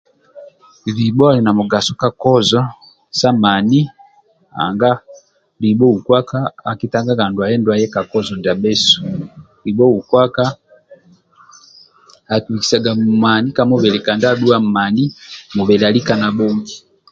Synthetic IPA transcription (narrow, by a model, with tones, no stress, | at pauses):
ɾi˨bɔ˦a˦li˨na˨mu˨ɡa˨sɔ˦ka˨kɔ˦zɔ˦ | sa˦ma˨ni˦ | a̰˨ŋɡa˦ | li˨bɔ˦u˨kwa˦ka˦a˨ki˦ta˦ŋɡa˦ɡa˨ndu˨a˨jɛ˦ndwa˦jɛ˦ka˨kɔ˦zɔ˨nda˨bɛ˦su̥ | li˨bɔ˦u˨kwa˦ka˦ | a˨ku˨wi˨ki̥˨sa˨ɡa˨ma˨ni˦ka˨mɔ˦βɛ˨lɛ˨ka˨nda˦ɗu˦a˦m˨ma˨ni˦mu˨βɛ˨la˨li˦ka˨na˨bɔ˦ŋɡi˨